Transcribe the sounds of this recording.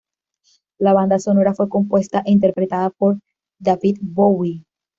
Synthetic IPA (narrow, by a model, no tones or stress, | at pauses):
laβand̪aso̞no̞ɾafwe̞ko̞mpwe̞st̪aʔint̪̬e̞ɾpɾe̞t̪aðapo̞ɾ | d̪avid̪bowi